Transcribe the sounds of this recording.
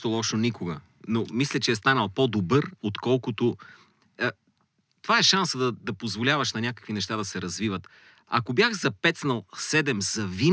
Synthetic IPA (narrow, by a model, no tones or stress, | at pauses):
t̪olˠɔʃonikoɡə | nomislʲɛt͡ʃɛɛst̪anəlˠpod̪obɤɾot̪kɔlˠkot̪o | t̪ovaɛʃansəd̪ɐd̪ɐpozvolʲavɐʃnɐnʲakə̥kvinɛʃt̪ad̪ɐsɛɾɐzvivət̪ | ɐkobjaxzɐpɛt̪snəlˠsɛd̪ɛmz̥ɐvin